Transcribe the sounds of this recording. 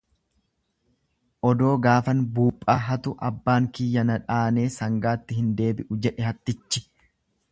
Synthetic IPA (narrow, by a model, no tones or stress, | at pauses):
ʔɔd̪o̞ːɡaːfɐnbuːpʼːaːɦɐt̪ʊʔɐbːaːŋkɪjːɐnɐᶑaːne̞ːsɐŋɡaːt̪ːɪhɪnd̪e̞ːbɪʔʊd͡ʒɛᶑɛɦɐt̪ːɪt͡ʃːɪ̥